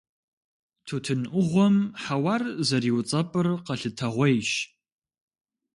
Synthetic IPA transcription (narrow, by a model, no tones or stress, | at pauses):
tʰuːtʰɨnʔʷʊʁʷɔmħawaːrzɐriːwt͡sʼɐpʼɨrqɐɬɨtʰɐʁʷɔjʃ